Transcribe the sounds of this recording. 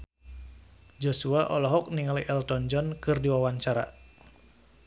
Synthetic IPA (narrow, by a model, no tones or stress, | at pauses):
d͡ʒosuaʔɔlɔɦɔk̚niŋaliʔɛlt̪ɔnd͡ʒɔnkɨrdiwawant͡ʃaɾa̰